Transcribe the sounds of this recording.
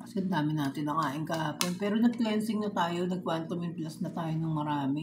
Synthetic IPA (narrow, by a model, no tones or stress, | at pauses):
kɐsɛɐnd̪aːmɪnaːt̪ɪnːɐŋaːʔɪŋkaʔaːponpɛːɾonɐɡ̚plɛnsɪŋnɐt̪aːjo̞nɐɡ̚kwant̪omɪnplɐsnɐt̪aːjonɐŋmɐɾaːmɛ